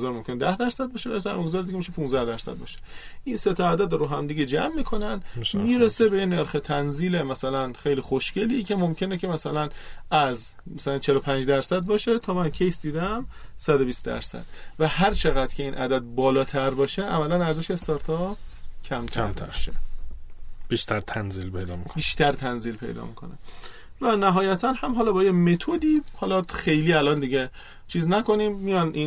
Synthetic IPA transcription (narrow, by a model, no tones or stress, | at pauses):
zɒːɾmo̞mkʰʲened̪æhd̪æɾsæd̪̚bɒːʃeæɾsæmeɡzɒɾed̪iɡemiʃepʰũnzd̪æhd̪æɾsæ̰d̪̚bɒ̰ːʃe̥ | ʔinset̪ʰɒæd̪æd̪ɾoɦæmd̪iɟed͡ʒæ̰mːiːkʰo̞nænmiːɾesebejene̞ɾxet̪ʰænziːle̞mæsælænxejliːxoʃce̞licʰe̞momcʰe̞necʰe̞mæsælænæz | mæsælænt͡ʃʰe̞lopʰænd͡ʒd̪æɾsæd̪̚bɒːʃe̞t̪ʰɒːmæncʰejsd̪iːd̪æmsæd̪o̞biːst̪d̪æ̰ɾsæ̰d̪̥væɦæɾt͡ʃʰe̞ɣæd̪cʰe̞iːnʔæ̰d̪æd̪̚bɒːlɒːt̪ʰæɾbɒːʃeʔæmælænæɾzeʃeːst̪ɒɾt̪ʰɒcʰæmt̪ʰæmt̪ʰæ̰ɾʃḛ | b̥iːʃt̪ʰæɾt̪ʰænzilpʰejd̪ɒ̰ːmikkʰobiːʃt̪ʰæɾt̪ʰænziːlpʰe̞̰jd̪ɒ̰ːmikʰo̞̰ne | vænæɦɒːjæt̪ʰænhæmɦɒlɒːbɒːjeme̞t̪ʰod̪iːhɒlɒxe̞jliːælɒːnd̪iɟe | t͡ʃʰiːznæko̞niːmːijɒniː